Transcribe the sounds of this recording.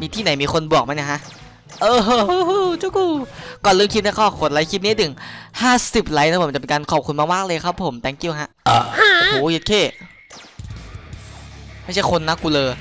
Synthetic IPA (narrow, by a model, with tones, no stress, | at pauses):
miː˧t̪ʰiː˥˩na˩˦jmiː˧kʰo˧nbu˨˩ək̚ma˧˥na˧˩kʰa˦˥ʔ | ʔɤː˧˥t͡ɕu˦˧˥kuː˧˩kɔː˨˩nlɤː˧˩ŋkʰi˦˥t̪̚na˦˥kʰɔː˧˥˩kʰo˨˩t̪̚la˧˦jkʰi˦˥p̚ni˦˥˨t̪ʰɯ˩˦ŋhaː˥˩si˨˩p̚la˧˦˥jna˧˦˥pʰːt͡ɕa˨˩e˧nkaː˧nkʰɔː˨˩p̚kʰu˧nmaː˧˩maː˥˩k̚lɤː˧jkʰa˦˥pʰːo˩˦mt̪ɛ˧˥˩ŋki˧əwɦa˦˥ʔʔa˧˩a˥˧ʔhoː˨˩˦je˧˦t̚kʰeː˥˩ | ma˥˩jt͡ɕʰa˥˩jkʰo˧nːa˧˦˥kuː˧lɤː˧